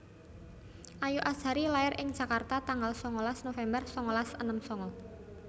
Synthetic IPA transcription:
ʔajuʔḁʒ̥a̤ɾilaɪrʔɪŋ̥ʒ̥ä̤kart̪at̪aŋɡalsɔŋɔlasnofɛmbərsɔŋɔlasənəmsɔŋɔ

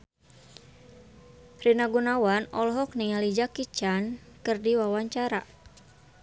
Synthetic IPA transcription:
rinaɡunawanɔlɦɔk̚niŋalid͡ʒakit͡ʃankɨrdiwawaɲt͡ʃaɾa

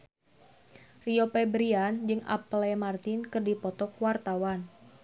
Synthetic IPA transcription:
riopɛbɾiand͡ʒɨŋʔa̰plɛmart̪ɪnkɨrdipɔt̪ɔkwart̪awan

